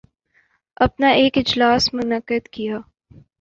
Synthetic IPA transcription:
ɐpnaʔeːkɪd͡ʒlaːsmʊnəkːəd̪kijaː

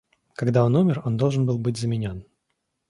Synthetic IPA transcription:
kɐɡd̪ao̞numʲɪro̞nd̪o̞lˠʐɨnbɨlˠbɨtʲzəmʲɪnʲo̞n

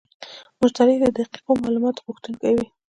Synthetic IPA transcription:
mʊʃt̪ɑɾed̪əd̪aqi̥qomɑlumɑt̪ɣuxt̪əlkawi

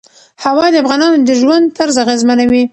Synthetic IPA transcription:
hawɑd̪əafɣɑnɑnod̪əʒwand̪̚t̪aɾzaɣezmanawi

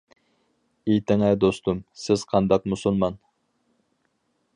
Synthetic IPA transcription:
ejt̪ʰɪŋɛjd̪ost̪umsɪz̥qʰɑnd̪ɑqmusulˠmɑn

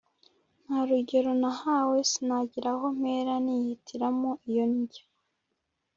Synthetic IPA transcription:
n̥haɾuɟe̞ɾo̞nahawe̞sinaɟiɾaɦo̞m̥eːɾanihitʰiɾamoʔijo̞niɟa

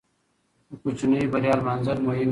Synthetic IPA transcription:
kʊt͡ɕʰnɐibɐɾjaːlmanzɐɾmoːɦiːn

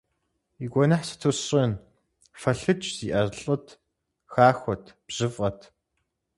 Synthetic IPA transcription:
iɡʷɔnaħsɨ̥tʰusrin | fɐɬɨt͡ʃʰʼz̥iʔɐrɬʼɨtʰ | xaːxʷɔtʰb̥ʑ̥ɨfʼqɐtʰ

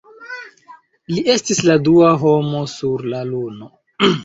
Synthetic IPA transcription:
liʔe̞stisladuaɦo̞mo̞suɾlaluno̞

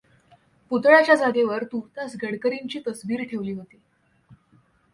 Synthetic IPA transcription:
put̪ɭat͡ɕjad͡zaɡeʋəɾt̪uːt̪jasɡəɽkəɾiɲt͡ɕiːt̪əsʋiːɾt̪ʰeʋliːɦot̪e

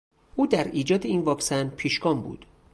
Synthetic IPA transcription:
ʔuːd̪æɾiːd͡ʒɒːd̪eiːnvɒːksænpʰiːʃɡɒːmbṵːd̪̥

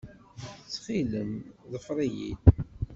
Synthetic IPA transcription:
t͡sːχiləmðəfɾˤijḭt̪

